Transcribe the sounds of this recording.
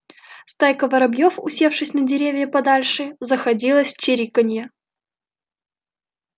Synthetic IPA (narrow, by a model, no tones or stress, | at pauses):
st̪ajkəvəɾɐbjofʊsʲe̞fʂɨsʲnədʲɪɾʲevʲjəpɐd̪alʲʂɨzəxɐdʲilˠəsʲt͡ɕɪɾʲikənʲjə